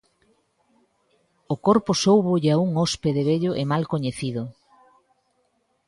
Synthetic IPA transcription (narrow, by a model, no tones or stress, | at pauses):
okoɾposowβoʎauŋɔspeðeβeʎoʔemalkoɲeθiðʊ